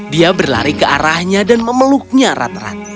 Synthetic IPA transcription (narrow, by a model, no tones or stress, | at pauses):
diabərla̰ɾikəaɾahɲadanməməluk̚ɲaɾa̰t̪ra̰t̪̚